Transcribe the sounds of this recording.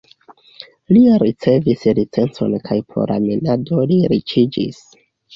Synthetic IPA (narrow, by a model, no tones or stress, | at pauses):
liɾit͡se̞vislit͡se̞nt͡so̞̰nkʰajpɾo̞̰ɾʔa̰minado̞liɾit͡ʃid͡ʒḭs